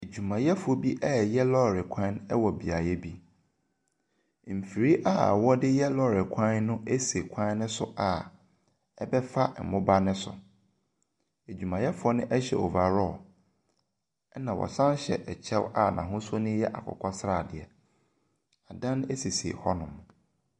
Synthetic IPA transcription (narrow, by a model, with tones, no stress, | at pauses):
e˨d͡ʑᶣu˨mã˨jɛ˦fʊ˨ɔ˦bi˦ʔɛ˦˨jɛ˦lɔ˦˨ɾɪ˨kʷʰã˦nɛ˦wɔ˨bi˨a˨jɛ˦bi˦ | m̩˨fi˨ɾi˦ʔa̰˦˨wɔ˦dɪ˦jɛ˦lɔ˦˨ɾɪ˨kʷʰã˦nnʊ̃˦e˦se˨kʷʰã˦nʊ̃˦sʊ˦ʔa˨ | ɛ˦bɛ˦fa˦˨mʊ̃˦ba˦nɪ̃˦sʊ̰˨ | e˨d͡ʑᶣu˨mã˨jɛ˦fʊ˨˦ɔ˦nʊ̃˦ʔɛ˦ɕɛ̰˨ɔ˨va˨ɾɔ˦˨ | ɛ˦nã˨wɔ̰˨sã˦nɕɛ̰˨ʔɛ˨t͡ɕʰɛ˦wa˨nã̰˨ɦʊ̃˦sʊ˦nɪ̃˦jɛ˦ʔa̰˨kʰɔ̰˨kʰʷɔ˦sɾaː˦˨dɪ˨ɛ˨ | a˨dã˦ne˦si˨sḛ˨hɔ˦nʊ̃˨m